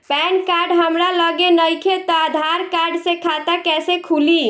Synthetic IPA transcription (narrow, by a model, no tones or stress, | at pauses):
pɛnkaɾɖɦəmɾaləɡenəjkʰet̪ɔad̪ʱaɾkaɾɖsẽkʰat̪akɛsekʰuli